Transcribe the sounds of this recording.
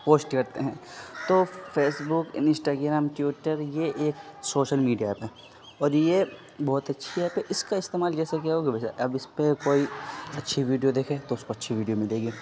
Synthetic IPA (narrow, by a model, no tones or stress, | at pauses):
poːsʈkɐɾt̪eɦɛ̃ːt̪oːfeːsbʊkɪ̰ɪ̃sʈaːɡɾamʈjuːʈəɾjeʔeːksoːʃəlmiːɖijapɛ | ɔːɾje | bɔːt̪ɐtːʃʰiɛːpeʔɪskaɪst̪eːmaːld͡ʒɛːsek̬jaɦoːɡebesa̰ɐbɪspekoːiɐtːʃʰiʋiːɖijod̪eːkʰẽːt̪oʊskoɐtːʃʰiʋiːɖijomɪ̃ld̪eːɡe